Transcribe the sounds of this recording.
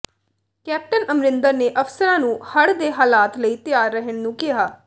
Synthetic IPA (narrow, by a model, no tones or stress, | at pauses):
kɛːp̚ʈənəmɾɪnd̪əɾneːʔəfsəɾãːnũːhəɽd̪eːɦaːlaːt̪ləiːt̪ɪjaːɾːəɦəɳnũːkɪɦaː